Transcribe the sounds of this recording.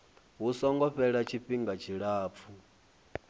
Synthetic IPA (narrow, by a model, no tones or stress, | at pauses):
ɦusɔŋɡɔɸɛɺat͡ʃʰiɸiŋɡat͡ʃʰiɺaːp̪fʰu